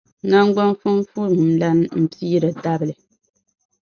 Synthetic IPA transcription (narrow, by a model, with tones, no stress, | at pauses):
na˦ŋ˦ɡ͡ba˦n˦fu˦m˦fu˦˨m˨n̩˨la˦n˦m̩˦piː˦ɾɨ˨da˦bɨ˨lɨ˨